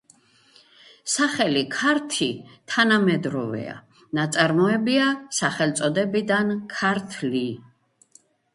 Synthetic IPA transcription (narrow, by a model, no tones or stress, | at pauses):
saχɛlikʰaɾt̪ʰit̪ʰanamɛd̪ɾɔvɛ̰a̰ | nat̪sʼaɾmɔɛbiasaχɛlt̪sʼɔd̪ɛbid̪ankʰaɾt̪ʰli